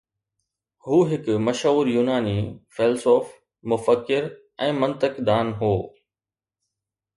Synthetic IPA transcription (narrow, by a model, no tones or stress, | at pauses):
huːɦɪkmɐʃɦuːɾjuːnaːniːfʰeːlsoːf | mʊfəkːɪɾ | ɛ̃ːmɐ̃nt̪əkd̪aːnɦoː